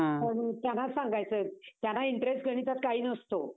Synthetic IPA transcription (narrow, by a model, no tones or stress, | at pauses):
ant̪janasãŋɡajt͡sət̪janːaiɳʈɾesʈɡʱəɽ̃it̪at̪̚kaɦiːnəst̪o